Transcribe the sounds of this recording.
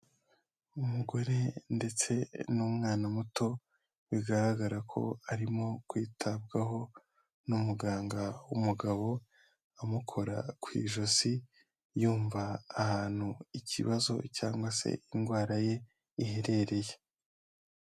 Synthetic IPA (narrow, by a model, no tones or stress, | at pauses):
umuɡo̞ɾe̞nde̞t͡se̞numŋaːnamuto̞ | βiɡaɾaɡaɾakʰo̞̰aɾimo̞kwiːtʰabɡaɦo̞ | numuɡaːŋɡaumuɡaβo̞ | amukʰo̞ɾa̰kwḭːʒozi | juːɱvaːhaːn̥huicḭβazo̞̰caːŋɡwase̞̰inɡwaːɾaje̞ | iheɾe̞ɾe̞je